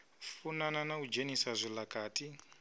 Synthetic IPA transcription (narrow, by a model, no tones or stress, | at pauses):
funananaud͡ʒenisazʷilakaːtʼi